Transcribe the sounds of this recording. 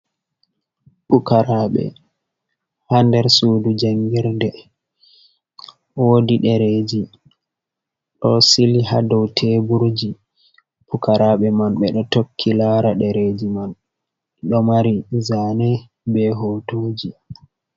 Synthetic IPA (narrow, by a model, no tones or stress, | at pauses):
pukaɾaɓɛ̰ | handɛɾsuːdud͡ʒaŋɡiɾdɛ | wodiɗɛɾed͡ʒi | ɗɔsiliha̰dɔwtʰebuɾd͡ʒi | pukaɾaɓɛmanɓɛɗɔtokʰːilaːɾaɗɛɾed͡ʒiman | ɗɔmaɾizanɛ | bɛɦoːtoːd͡ʒi